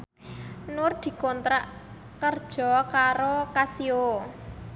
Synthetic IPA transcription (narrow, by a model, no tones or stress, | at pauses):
nʊrd̪̥i̤kɔnt̪ɾaʔ | kərd̥ʒ̥ɔ̤kaɾokasio